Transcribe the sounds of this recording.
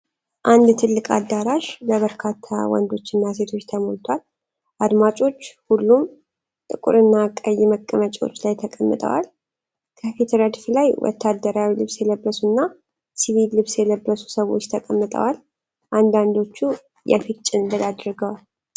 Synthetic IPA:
ʔand̪t̪ʰɨlːɨkʼa̰d̪ːaɾaʃləβəɾkʰat̪ʰːa̰wɔ̰nd̪o̞t͡ʃːɨnːas̬e̞t̪ʰo̞t͡ʃːt̪ʰəmolt̪ʰwal | ʔad̪mat͡ʃʼo̞t͡ʃːhulːum | t̪ʼɨkʼṵɾɨnːakʼəjːɪməkʼːəmət͡ʃʼwo̞̰t͡ʃːlajt̪ʰəkʼəmːɨt̪ʼə̰wa̰l | kʰəfet̪ʰɾad̪flajwʔɔ̰t̪ʰːad̪ːəɾawilɨβsjɛləbːəsunːa | siβilːɨβsjɛləbːəsu̥səwo̞̰t͡ʃːt̪ʰəkʼəmːɨt̪ʼə̰wal | ʔand̪and̪o̞t͡ʃːu | jɛ̰fɨt͡ʃʼːɪnbəlad̪ɾɨɡəwal

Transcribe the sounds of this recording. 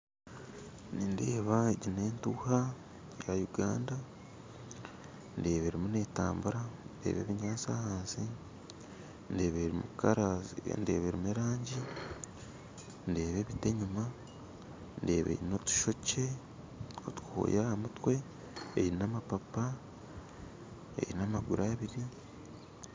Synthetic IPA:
ninde̞ːβaeɟine̞ːntuha | jajuɡa̰ːnda | nde̞ːβeɾimune̞ːta̰ːmbuɾandḛːβe̞̰ːβiɲaːsahaːnsi | ndeβeɾimukaɾande̞̰ːβeɾimueɾaːɲɟi | nde̞ːβe̞βite̞ɲuma | nde̞̰ːβḛjino̞tu̥ʃo̞ce̞ | otu̥kuho̰jahamutwe̞ː | jiɾinamapapa | ḛjiinamaɡuɾʔaβiɾi

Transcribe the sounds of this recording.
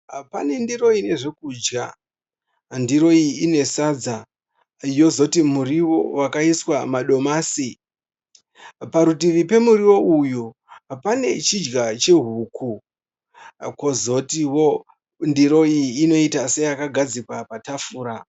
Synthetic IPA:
pane̞ndiro̞ine̞ʐe̞kuːd͡ʒɡa | ndiɾo̞iine̞sad͡za | jo̞zo̞timuɾiwo̞wakaiswamaɗo̞maːsi | paɾutiʋipe̞muriwo̞uju | pane̞t͡ʃid͡ʒɡat͡ʃe̞ɦuːkʰu | kwozo̞tiwo | ndiɾo̞iːno̞itase̞jakaɡʱad͡zikwapatafuːɾa

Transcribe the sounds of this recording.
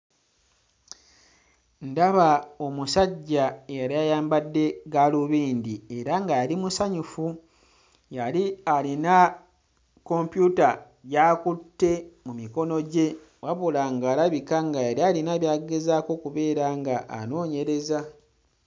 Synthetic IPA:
ndaβao̞musaɟːaejaɾajajaːmbadːe̞ɡaluβiːndie̞ɾaŋɡajalimusaɲufu | jalialina | ko̞mpjuta | jakutːe̞mumiko̞no̞ɟe̞ | waβulaŋɡaːlaβikaŋɡajaɾialinaβjaːɡezaːko̞kuβe̞ːɾaŋɡaʔa̰no̞ːɲe̞ɾe̞za

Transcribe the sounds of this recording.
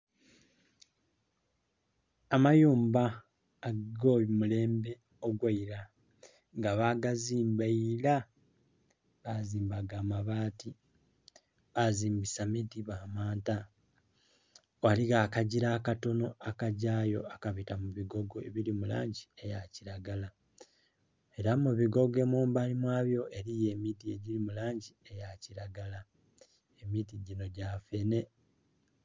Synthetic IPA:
amajuːmbaː | ɡɡomule̞ːmbe̞ | oɡwaiɾa | ŋɡaβaɡaziːmbaila | βaziːmbaɡaːmaβaːti | βaziːmbisamidiβaːmaːnta | waliɣaːkaɟiɾaːkato̞no̞akaɟaːjo̞̰akaβitamuβiɡo̞ɡoeβilimula̰ːɲɟie̞jaciɾaɡala | e̞ɾamuβiɡo̞ɡe̞muːmbalimwaːβjo̞ʔe̞ɾije̞ːmitie̞ɟilimulaːɲɟie̞jaciɾaɡala | emitiɟino̞ɟafe̞ne̞

